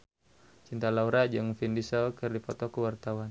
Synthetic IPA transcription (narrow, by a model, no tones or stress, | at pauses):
t͡ʃint̪alauɾad͡ʒɨŋfindisakɨrdipɔt̪ɔkəwart̪awan